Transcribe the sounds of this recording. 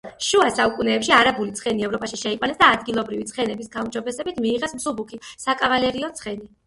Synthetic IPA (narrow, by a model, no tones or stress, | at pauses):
ʃuasaukʼunɛːpʃiaɾabulit̪sʰχɛniɛvɾɔpʼaʃiʃɛiqʼwanɛsd̪aːd̪ɡilˠɔbɾivit̪sʰχɛnɛbisɡaumd͡ʒɔbɛsɛbit̪ʰmiːʁɛsmsubukʰisakʼavalɛɾiɔt̪sʰχɛni